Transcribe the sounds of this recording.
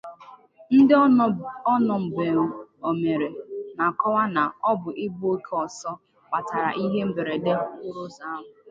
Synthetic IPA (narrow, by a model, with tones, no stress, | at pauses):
n̩˦dɔ˦nɔ˨m̩˨be˨ŋʊ˦o˨me˨ɾe˨na˨kɔ˦wa˦na˨ɔ˦bʊ˨ʔɪ˦bo˦kʰɔ˨sɔ˦ | k͡pa˨ta˨ɾa̰˨ʔi˦ɦe˦m̩˦be˨ɾe˨de˦ɦkʊ˦ɾʊ˦za˦a˦ɦʊ˨